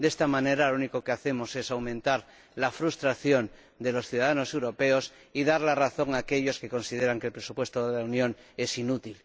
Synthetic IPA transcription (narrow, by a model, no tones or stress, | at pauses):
d̪est̪amãne̞ɾalouniko̞keaθe̞mo̞se̞sawmẽnt̪aɾ | lafɾust̪ɾaθjo̞n | d̪e̞lo̞sθjuðaðano̞se̞wɾo̞pe̞o̞s | iðaɾlaraθo̞ŋaːke̞ʎo̞ske̞ko̞nsiðe̞ɾaŋkelpɾesupwe̞st̪oðelaunjõ̞ŋe̞sinut̪il